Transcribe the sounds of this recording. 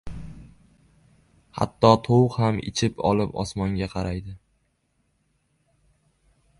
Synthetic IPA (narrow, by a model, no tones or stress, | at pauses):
ha̰t̪ːɒt̪ʰowqhamɪ̰t͡ʃʰɪpʰɒ̰lˠɪpɒ̰smɒŋɡʲaqʰɑɾajd̪ɪ